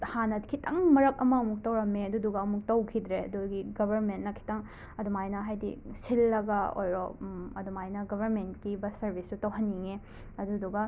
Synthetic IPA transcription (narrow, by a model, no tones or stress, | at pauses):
hanɐt̚kʰitʰɐŋmɐɾɐk̚ɐmɐumuk̚tɐwɾɐmeɐduduɡɐɐmuk̚tɐwkʰid̪ɾeɐ̰duɡiɡɐbʱɐɾmentnɐkʰi̥tɐŋ | ɐdumajnɐɦajdḭsilːɐɡɐo̰jɾɔ̰ɐdumajnɐɡɐbʱɐɾmentkibɐsɐɾbʱisutɐwɦɐnːiŋe | ɐduduɡɐ